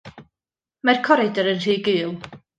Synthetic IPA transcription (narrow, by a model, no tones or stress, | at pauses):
markʰɔɾɪdəɾənr̥iːɡɨːlˠ